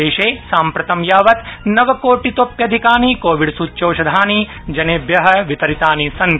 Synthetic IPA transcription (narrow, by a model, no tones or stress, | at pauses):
eːʃeːsaːmpɾɐt̪ɐmjaːʋɐt̪nɐʋɐkoːʈit̪oːpjɐd̪ʱikaːnikoːʋiɖsuːt͡ʃːoːʃɐd̪ʱaːni | d͡ʒɐneːbjɐɦɐ̆ʋit̪ɐɾit̪aːnisɐn